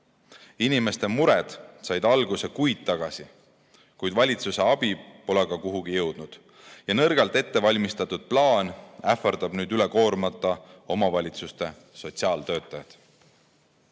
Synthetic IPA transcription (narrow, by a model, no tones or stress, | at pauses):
inime̞st̪e̞muɾed̪̥sɑjd̪̥ɑlɡuse̞kujd̪̥̚t̪ɑɡ̥ɑsi | kujd̪vɑlʲit̪suse̞ɑb̥ipo̞leɡ̥ɑkuɦuɡ̥ijɤ̞wd̪̥nud̪̥ | jɑnɤrɡ̥ɑlt̪e̞t̪ːe̞vɑlʲmist̪ɑt̪ːˑud̪̥̚plɑːnæfˑɑrd̪̥ɑb̥nyːd̪yleko̞ːɾmɑt̪ːˑɑo̞mɑvɑlʲit̪sust̪e̞ | so̞t̪siɑːlt̪ø̞ːt̪ˑːɑjɑd̪̥